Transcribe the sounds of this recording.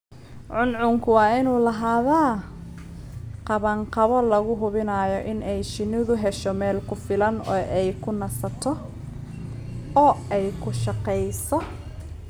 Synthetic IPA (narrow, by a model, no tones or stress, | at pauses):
ʕʊnʕʊŋkʰʊwɑːɪnuːlɐɦaːðaː | qɑβɐŋqɑβɔlɐɣʊɦʊβɪnaːjɔʔɪnɛjt͡ʃɪnɪðʊɦɛʃɔmɛːlkʰʊfɪlɐnɔːʔɛjkʰʊnɐsɐt̪ʰɔ | ɔːɛjkʰʊʃɑqɛjsɔ